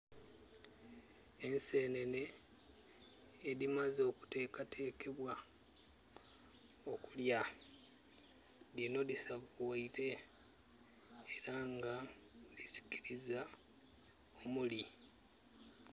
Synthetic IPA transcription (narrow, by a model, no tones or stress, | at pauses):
e̞nse̞ːne̞ne̞ | ðimazo̞ːku̥te̞ːkatʰe̞ːkʰe̞βwa | o̞kulja | dino̞disaβuwaite̞ | ɾaŋɡalisi̥kiɾiza | omuli